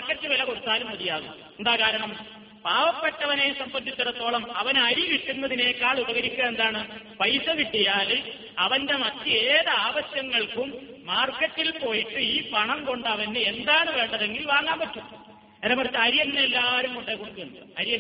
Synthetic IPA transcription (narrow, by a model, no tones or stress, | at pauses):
rkːɐtːɨʋilɐkoɽut̪ːaːlumʋɐðijaːðɨ | end̪aːkaːɾɐɳɐm | paːʋɐpːe̞ʈːɐʋɐnesɐmbɐnd̪it̪ːɐɾɐt̪ːo̞ːɭɐmɐʋɐnɐɾiʋiʈːunːɐðineːkːaːɭubɐɣɐɾikʲːuɣɐe̞nd̪aːɳɨ | pɐjsɐʋiʈːijaːle | ɐʋɐnde̞mɐt̪ːieːðɐaːʋɐɕjɐŋːɐɭkumːaːrkːɐtːilpo̞ːjiʈːɨiːpɐɳɐmko̞ɳɖɐʋɐnend̪aːɳɨʋe̞ːɳɖɐðe̞ŋɡilʋaːŋːaːmbɐtːunːɐ | eɾɐmɐrt͡ɕːɐɐɾijɐnːeelːaːɾumkoɳɖekoɽuk̪ːuunːɐɐɾijɐn